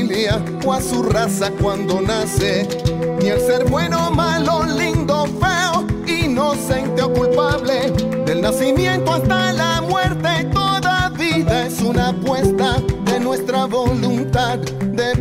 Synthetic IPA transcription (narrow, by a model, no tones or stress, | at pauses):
lja | oasurasakwand̪o̞nase | nialse̞ɾβwe̞no̞malolind̪o̞feoino̞se̞nt̪eokulpaβle̞ | d̪e̞lnasimjẽ̞nt̪oast̪alamwe̞ɾt̪e̞t̪o̞ðaβiðaesunapwe̞st̪aðe̞nwe̞st̪ɾaβo̞lunt̪að | d̪e̞